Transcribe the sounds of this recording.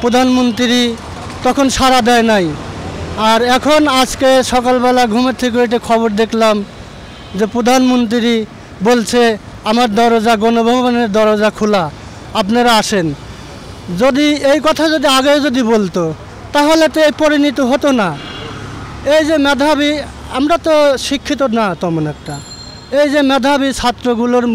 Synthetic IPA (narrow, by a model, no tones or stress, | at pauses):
pɾod̪ʱanmont̪ɾiɾi | t̪ɔkʰonʃaɾad̪ɛenaj | aɾɛkʰonad͡ʑkeʃɔkalbɛlaɡʱumet̪ʰik̬oekʈikʰɔboɾd̪ekʰlam | d͡ʑepɾod̪ʱanmont̪̬ɾiɾi | bolt͡ɕʰe | amaɾd̪ɔɾod͡ʑaɡɔnobʱoboneɾd̪ɔɾod͡ʑakʰula | apnaɾaaʃen | d͡ʑod̪iejkɔt̪ʰazod̪iaɡeod͡ʑod̪ibolt̪o | t̪aɦolet̪oejpoɾinit̪oɦot̪ona | ejd͡ʑemɛd̪ʱabi | a̰mɾat̪oʃikʰːit̪̬onat̪ɔmonɛkʈa | ejd͡ʑemɛd̪ʱabit͡ɕʰat̪ːɾoɡuloɾ